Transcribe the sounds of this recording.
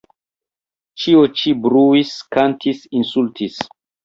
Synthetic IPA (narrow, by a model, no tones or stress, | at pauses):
t͡ʃiot͡ʃibɾuiskantʰisinsultis